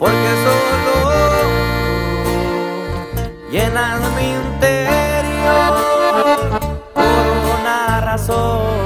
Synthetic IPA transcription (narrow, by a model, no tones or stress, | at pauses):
poɾkesolo | jenalmint̪eɾjo | kounaraso